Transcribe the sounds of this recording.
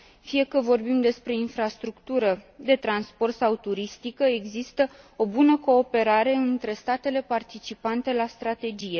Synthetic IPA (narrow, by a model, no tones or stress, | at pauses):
fije̞kəvo̞rbimd̪e̞spɾe̞infɾast̪ɾukt̪uɾəd̪e̞t̪ɾanspo̞rt̪sawt̪uɾist̪ikəe̞ɡzist̪ə | o̞bunəko̞ːpe̞ɾaɾe̞ɨnt̪ɾe̞st̪at̪e̞le̞part̪it͡ʃipant̪e̞last̪ɾat̪e̞d͡ʒije̞